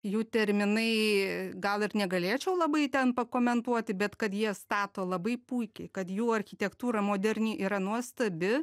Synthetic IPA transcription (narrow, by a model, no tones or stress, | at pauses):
juːt̪ʲɛɾʲmʲɪnɐɪɡɐlˠɪrnʲɛɡɐlʲeːt͡ʃʲɛʊlˠɐbɐɪt̪ʲɛnpɐkoːmʲɛnt̪uɔt̪ʲɪbʲɛt̪kɐt̪jiɛst̪ɑːt̪oːlˠɐbɐɪpuɪkʲɛɪkɐt̪juːɐɾʲxʲɪt̪ʲɛkt̪uːɾɐmoːd̪ʲɛɾʲnʲiːʔiːɾɐnuɔst̪ɐbʲɪ